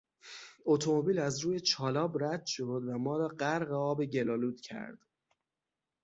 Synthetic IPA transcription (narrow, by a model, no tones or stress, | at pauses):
ot̪ʰomo̞biːlæzɾuːjet͡ʃʰɒːlɒːbɾæd̪̥ʃo̞d̪væmɒːɾɒːɢæɾɣeɒːbeɟe̞lɒːluːd̪̥cʰæ̰ɾd̪̥